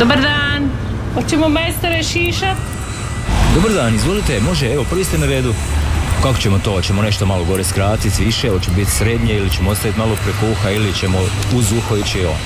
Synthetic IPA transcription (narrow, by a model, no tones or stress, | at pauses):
d̪obaɾd̪aːn | ot͡ʃemomajst̪aɾeʃiːʃat̪ | d̪obaɾd̪aːnizʋo̞lit̪emo̞ʒeeʋo̞prʋiːst̪enaɾeːd̪ukako̥t͡ɕe̞mot̪o̞t͡ɕe̞mone̞ʃt̪omalˠo̞ɡo̞ɾeskɾaːt̪it̪ʋiʃeot͡ʃemobit̪sɾe̞d̪ɲeilit͡ɕemoost̪aʋit̪malopɾekouxailit͡ɕe̞mo | uzuxoit͡ɕeo̰ːn